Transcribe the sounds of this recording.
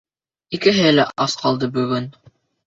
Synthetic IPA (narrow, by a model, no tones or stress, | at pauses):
ikɘ̆ɦɘlæʔʔɑsqʰɑlˠd̪ɤbɵ̆ɡɵn